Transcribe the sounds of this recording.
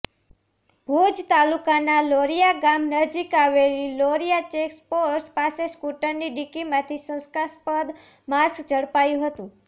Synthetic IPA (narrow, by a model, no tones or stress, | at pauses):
bʱud͡ʒt̪alukanaloɾijaɡamnəd͡ʒikaʋeliloɾijat͡ʃekspoɾspaseskuʈəɾniɖikimãt̪ʰisə̃skaspəd̪ | maskd͡ʒəɽpajũɦət̪ũ